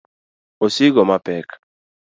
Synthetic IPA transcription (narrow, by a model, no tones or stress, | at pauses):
osiɡɔmapɛk